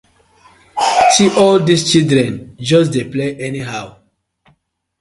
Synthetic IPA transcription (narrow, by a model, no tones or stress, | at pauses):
siʔɔldist͡ʃildɹɛ̃nd͡ʒɔsdepleʔɛniɦaw